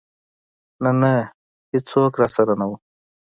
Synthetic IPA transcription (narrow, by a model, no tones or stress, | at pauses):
nana | hɪt͡soːkɾasɐɾanawu